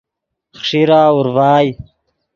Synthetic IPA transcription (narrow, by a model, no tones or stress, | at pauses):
χʂiɾaːuɾvaːj